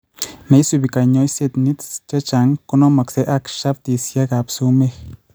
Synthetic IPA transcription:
ne˧˦jsu˧bi˨ka˨ɲo˦jse˦˧t̪ni˦t̪t͡ʃa˦t͡ʃa˨˦ŋko˦no˦ma˨kse˨˦ʔa˦kʃa˦b̚t̪i˨sja˦ɡa˨psu˦me˦x

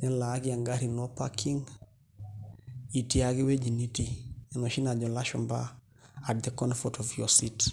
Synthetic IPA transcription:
ɲɛ˦la˨˦ki˦a˨ŋɡa˦ɾi˨no˦pa˦kʰi˦ŋ | i˨ti˦a˦ki˦we˦d͡ʒi˨ni˦ti˦˨no˨ʃi˦na˨d͡ʒɔ˨la˦ʃɔ˨mba̰˦ | a˨de˨kɔ˦nfɔtɔ˨fi˨o˨si˦t

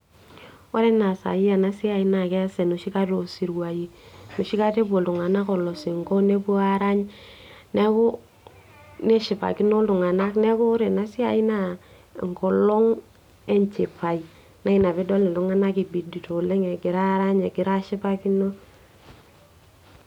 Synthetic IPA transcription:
o˦ɾe˦na˨sa̰˨ja˨na˦si˦a˨i˦na˨kɛ˦sɛ˨nu˨ʃi˦ka˦to˨si˨ɾwa˨ji˨no˨ʃi˦ka˦te˦bo˨ltu˨ŋa˨na˦ko˨lo˨si˨ŋko˦ne˦pu˦a˦ɾa˦ɲ | ne˦ku˦ | ne˦ʃɪ˨pa̰˨ki˦no˦ltu˨ŋa˨na˦kne˦ku˦ɾe˨na˨˦si˦a˨i˦na˦˨ | ŋ˨kɔ˨lɔ˦ŋ | e˦nt͡ʃe˨pʰa˨i˨ | na˦i˦na˨be˦dɔ˦li˨lu˨˦ŋa˦na˦ki˨bi˨di˨to˨le˦ŋe˨ɡɪ˨ɾa˦ɾa˦ɲe˨ɡɪ˨ɾa˦ʃi˦pa˦ki˦no˦

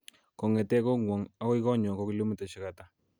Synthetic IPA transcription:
kɔ˨ŋɛ˨tɛ˦ko˦ŋwɔ˨ŋa˦wi˦kɔ˦ɲɔ˨ko˦kɪ˦lo˦mi˦tɛ˨t͡ʃɪ˨ka˨ta˨˦

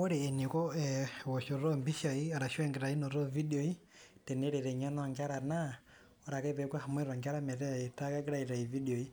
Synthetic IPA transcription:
ɔ˦ɾeː˨ni˨kɔ˦ɛwɔ˨ʃɔ˨ɾɔ˦mbi˦ʃa˨i˦a˨ɾa˨ʃwɛ˦ŋɡɛ˨ɾa˨i˦nɔ˨ɾɔ˦vi˦di˨o˨i˦ | tɛ˨nɛ˦ɾɛ˨ɾɛ˨ɲɔ˦nɔ˦˨ŋɡa˦ɾa˨na˦ | ɔ˦ɾa˨kɛ˦pɛ˨˦kwa˦ha˨mwɛ˦ɾɔ˨ŋɡa˦ɾa˦mɛ˨ɾɛ˦a˨i˨ta˦ka˦ki˦ɾa˦i˨ɾa˨i˨vi˦di˨o˨i˦

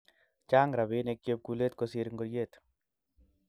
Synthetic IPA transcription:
t͡ʃa˦ŋɾa˨bɪ˦ne˧kje˦p̚ku˧le˦t̪̚ko˧siɾŋɡoɾje˦t̪

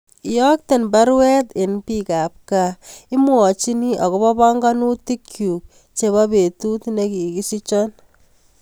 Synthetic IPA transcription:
jɔ˦k̚te˨nba˦ɾwɛ˦tɪ˨npi˦ka˨p̚kai˦mwɔ˨t͡ʃi˦ni˦ʔɔ˨ko˦bɔ˦pa˦ŋɡa˦nu˦ti˦kʰju˨k̚ | t͡ʃe˨βa˦pe˨tu˦tne˦ki˨ki˦si˦t͡ʃɔ˦n

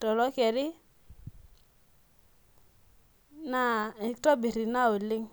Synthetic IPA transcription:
tɔ˨lɔ˦kɛ˨ɾɪ˦ | na˦˨tɔ˦bi˨ɾi˨na˦o˨lɪ˦ŋ

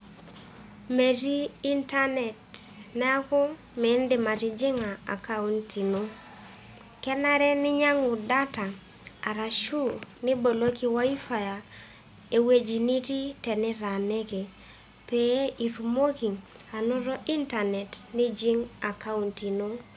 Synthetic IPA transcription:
me˨tiː˦nta˦nɛ˨tnɛ˦a˦ku˦ | mɛ˨˦ndɪ˨ma˨ti˦d͡ʒi˦ŋa˨a̰˨ka˦u˦nti˨no˦ | kɛ˦na˦ɾɛ˦nɪ˦ɲa˦ŋu˨da˦ta˨ | a˨ɾa˨ʃu˦ni˦bo˨lo˦ki˦wa˦i˦fa˨ja˨ | e˨we˦d͡ʒi˨ni˦ti˦tɛ˨nɛ˦ɾa˨ne˦ke˨ | pe˨e˦ʔi˨ɾu˨mo˦ki˨ŋ | a˨nɔ˦ɾɔ˦ʔi˦nta˨nɛ˨tni˦d͡ʒi˦ŋa˨ka˦u˨nti˨no˦

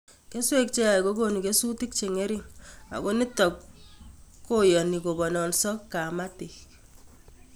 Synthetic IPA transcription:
ke˦swe˦k̚t͡ʃe˦a˨i˨ko˦ko˨ni˨ke˦su˦ti˦k̚t͡ʃe˨ŋe˦ɾi˦ŋa̰˨ko˦ni˦tɔ˨k | kːo˦jɔ˨ni˨ko˨bɔ˨nɔ˨nsɔ˦kːa˨ma˦ti˨k

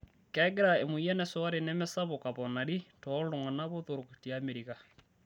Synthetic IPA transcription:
kɛ˦ɡɛ˦ɾa˨e˨mu˨i˦ɛ˦nɛ˨swa˦ɾe˨nɛ˦mɛ˦sa˦βo˨ka˨βɔ˨na˨ɾi˦tɔ˨˦lo˨ŋa˨na˦βo˦ðo˨ɾo˨ku˨ti˨ame˨ɾi˨ka˨

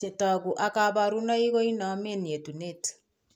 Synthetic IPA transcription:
e˨tɔ˨ku˨ʔa˨ka˨βa˨ɾu˦nɔ˦i˦ɣo˦i˦nɔ˨˦me˦nje˨tu˨ne˦t

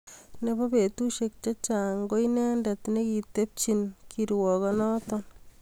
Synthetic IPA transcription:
neba˦pe˨t̪u˦ʃek̚t͡ʃat͡ʃa˨ŋɡo˦jnɛ˦ndat̪neki˨t̪e˦p̚t͡ʃinkʰiɾwɔ˨kɔnɔ˦t̪ɔn

